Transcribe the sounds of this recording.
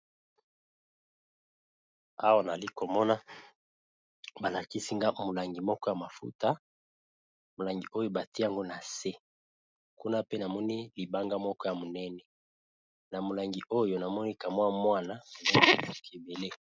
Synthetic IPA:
a̰˦wa˦na˨li˦ko˨mɔ˦na˦ | ba˨la˨ki˦si˦ŋɡa˦mo˨la˨ŋɡi˨mɔ˦kɔ˦ja˨ma˨fṵ˦ta˦ | mo˨la˨ŋɡi˨ʔo˦jo˦ba˨ti˦ja˦ŋɡo˦na˨se˦ | ku˦na˦pe˦na˨mɔ˦ni˦li˨ba˦ŋɡa˦mɔ˦kɔ˦ja˨mo˨nɛ˦nɛ˨ | na˨mo˨la˨ŋɡi˨ʔo˦jo˨na˨mɔ˦ni˦ka˨mwa˦mwa˦na˨mo˨lɛ˦ni˦˨o˨kʰe˨be˨le˦

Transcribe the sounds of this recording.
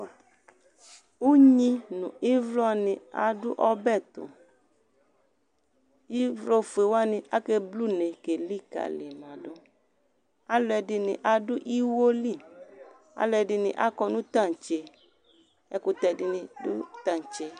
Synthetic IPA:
u˦ɲĩ˦nʊ̰̃˨i˦vlɔ˦nɪ̃˨a̰˨dʊ˦ʔɔ˦bɛ˦˨t̪ʊ̰˨ | i˦vlɔ˦fu˨e˨wa˦nɪ̃˨ʔa˦ke˦blu˦˨ne˨ke˨li˦ka̰˨le˨mã˨dʊ˦ | a˦lɛ˨dɪ˧nɪ̰̃˨ʔa˨dʊ˦ʔi˦wo˦li˦˨ | a̰˦lɛ˧˨dɪ˦nɪ̰̃˨ʔa˦kɔ˧nũ˦t̪a˦˨n˨t͡ʃe˨ | ɛ˦kʊ˧t̪ɛ˨dɪ˦nɪ̃˨dʊ̰˦t̪a˦˨n˨t͡ʃe˨

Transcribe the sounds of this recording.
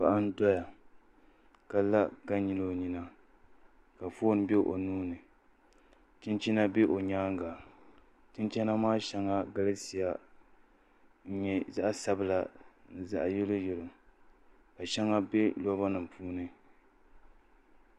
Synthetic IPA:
pa˦ʔa˦n̩˦dɔ˦ja˨ | ka˨la˦ɡa˦ɲi˦lo˦˨ɲi˦na˦ | ka˨fo˦n˦bɛ˦ʔo̰˨nuː˦nɨ˨ | tɨ˦nt͡ʃi˦na˦be˦ʔo˨ɲaː˦ŋ˦ɡa˨ | tɨ˦nt͡ʃɛ˦na˦maː˦ʃɛ˦ŋa˦ɡa˦lɨ˦si˨ja˦ | n̩˦ɲɛ˨za˦ʔa˦sa˦bɨ˦la˨nɨ˨za̰˨ʔa˨jɛ˦lo˦jɛ˨lo˨ | ka˨ʃɛ˦ŋa˦be˦lɔ˦ba˦nɨ˨mpʰuː˦nɨ˦

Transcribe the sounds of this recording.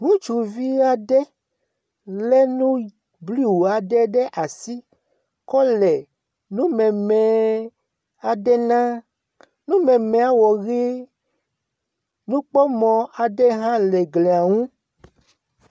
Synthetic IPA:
ŋũ˦t͡ʃu˨vi˦a˦ɖɛ˦ | le˦nũ˦ | bli˦˨wu˨a˨ɖɛ˦ɖɛ˦ʔa˨si˦ | kɔ˦lɛ˨ | nũ˦mɛ̃˨mɛ˨ | a˨ɖɛ˦nã˦ | nũ˦mɛ̃˨mɛ̃˨a˦wɔ˨ɣi˦ | nũ˦k͡pɔ˦mɔ̃˨a˨ɖɛ˦ɦã˦lɛ˨ɡle˨a˨ŋũ˦

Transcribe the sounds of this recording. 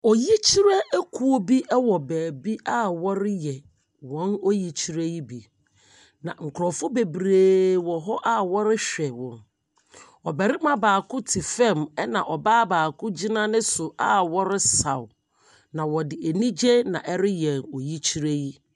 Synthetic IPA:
ɔ˨ji˦t͡ɕʰi˦ɾɛ˦ɛ˦kʰu˦o˦bi˦ʔɛ˦wɔ˨bæː˨bi˦a˦wɔ˦ɾɪ˦jɛ˨ | wɔ̃˨˦no˦ji˨t͡ɕʰi˦ɾe˦ji˦bi˨ | nã̰˨ŋ̩˨kʰʊ˨ɾɔ˨fʊ˦be˨bɾeː˨wɔ˨ɦɔ˦ʔa˦˨wɔ˦ɾɪ˦ɕᶣɛ˨wɔ̃˨n | ɔ˨bɛ˨ɾɪ˦mã˦baː˨kʰʊ˦tʰi˨fɛ̃˦˨mɛ˦nã˨ʔɔ˨baː˦baː˨kʰʊ̃˦d͡ʑi˦nã˦nɪ̃˦sʊ˨ʔa˦wɔ˦ɾɪ˦sa˨w | nã˨wɔ˨dɪ˨e˨nĩ˦d͡ʑe˦nã̰˨ʔɛ˦ɾɪ˦jɛ̃˨nɔ˨ji˦t͡ɕʰi˦ɾe˦ji˦

